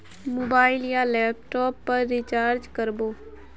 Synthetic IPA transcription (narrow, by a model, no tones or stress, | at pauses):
moːbaːɪljalɛːp̚ʈɔːpːɐɾːɪt͡ʃaːɾd͡ʒkəɾboː